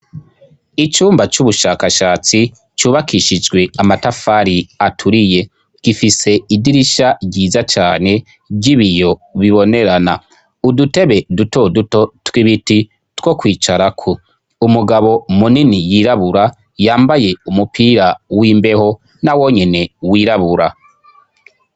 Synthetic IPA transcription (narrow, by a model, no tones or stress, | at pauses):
it͡ʃuːmbat͡ʃuβuʃaːkaʃaːt͡si | t͡ʃuːβakiʃid͡ʒɡwe̞amatafaːɾiatʰuɾije̞ | ɡ̥ifise̞idiɾiʃaɟiːzat͡ʃaːne̞ | ɟiβijo̞βiβo̞ne̞ɾana̰ | udute̞βe̞duto̞duto̞twiβiti | two̞kwiːt͡ʃaɾakʰu | umuɡaβo̞muninijiːɾaβuɾa | jaːmbaje̞umupʰiːɾawiːmbe̞ho̞ | nawo̞ɲe̞ne̞wiːɾaβuɾa̰